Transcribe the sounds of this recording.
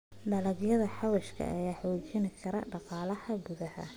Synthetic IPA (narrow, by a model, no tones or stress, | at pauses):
ɖɐlɐɡjɐðɐħɑwɐʃkʰɐ̰ʔɐjaːħɔwt͡ʃɪnɪkʰɐɾɐɖɑqɑːlɐhɐɡʊðɐhɐ̰